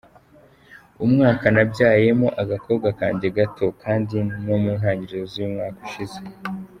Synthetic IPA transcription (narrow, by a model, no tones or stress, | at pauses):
umŋaːkanabɟaːje̞moʔaɡako̞ːbɡaka̰ːɲɟeɡatʰo̞kaːndino̞muːnɦaːɲɟiɾiɾozujumŋaːku̥ʃize